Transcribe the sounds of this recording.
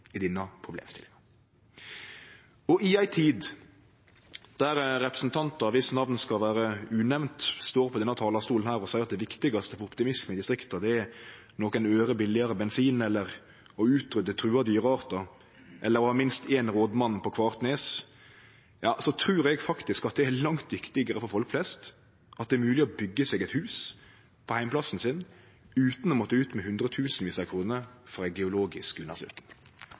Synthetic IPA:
ɪd̪ɪnːɑpʰʁʊblḛːmst̪ɪ̰lɪŋɑ | ɔʔɪæɪt̪ʰiːd̪ | d̪̥æɾɾɛpɾə̥sn̩t̪ʰɑnt̪ɑɑʋɪsnɑʋnskɑlʋæːɾəʉːnɛʋnt̪st̪oːɾpʰɔd̪ɛnːɑt̪ʰɑːlɑst̪uːlənhæːɾɔsæɪɑt̪̚d̪ɛʋɪkt̪ɪɡɑst̪əfɔɾʊpt̪ɪmɪsməɪd̪ɪst̪ɾɪkt̪ɑd̪ɛæ | nɔkənøːɾəbɪlːɪɑɾəbɛnsiːnɛlːəɾ | ɔʉːt̪ɾʏd̪ət̪ʰɾʉːɑd̪yːɾəɑːʁt̪ɑ | ʔɛlːəɾɔhɑːmɪnst̪ʰeːnʁoːd̪mɑnːpʰɔkʰʋɑːʁt̪neːs | jɑːsɔt̪ʰɾʉːɾɛɡfɑkt̪ɪskɑt̪̚d̪ɛælɑŋt̪ʰʋɪkt̪ɪɡəɾəfɔɾfɔlkflɛst̪ | ʔɑt̪d̪ɛɛɾmʉːlɪɔbʏɡːəsɛːɡɛt̪hʉːs | pʰɔhæɪmplɑsn̩sɪn | ʉːt̪nɔmɔt̪ːəʉːt̪mɛhʉnd̪ʁət̪ʰʉːsn̩ʋiːsɑkʰɾuːnəɾfʁɑæɪɡɛʊloːɡɪskʉnːəsø̰ːkŋ

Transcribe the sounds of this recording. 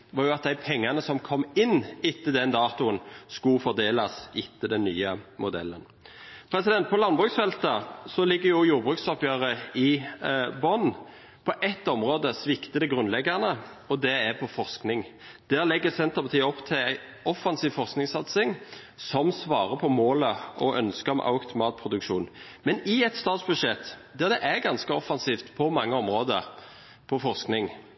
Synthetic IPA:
ʋɑːɾjʊɑt̪̚d̪æɪpʰɛŋːɑnəsɔmkʰɔmːɪnːɪt̪ːəd̪ɛnd̪ɑːt̪ʊənskʉfɔʁd̪eːlɑsɪt̪ːəd̪ɛnːy̰ːəmʊd̪ɛ̰lːə̰n | pʰɾɛsɪd̪ɛnt̪̚pʰɔlɑnbʁʉːksfɛlt̪ɑsɔlɪɡːəɾjʊjuːɾbʁʉːkt̪sɔpjøːɾəɪ | bɔn | pʰɔʔɛt̪ːɔmʁoːd̪əsʋɪkt̪əd̪ɛɡʁʉnlɛɡːɑnə | ɔd̪ɛɛpʰɔfɔʁsknɪŋ | d̪̥æːɾlɛɡːəsɛnt̪əpɑt̪iːəɔpːt̪ʰɪlæɪ | ɔfɑnsiːʋfɔʁsknɪŋsɑt̪sɪŋ | sɔmsʋɑːʁəpʰɔmoːləɔʔœnskəm̰ʔɑ̰ʊt̪ʊmɑːt̪̚pʰʁʊd̪ʉkʃṵːn | mɛnɪɛt̪st̪ɑːt̪sbʉʂɛt̪ːd̪æʁd̪ɛʔæɡɑnskəɔfːɑnsiːft̪pʰɔmɑŋːəɔmʁoːd̪ə | pʰɔfɔʁsknɪŋ

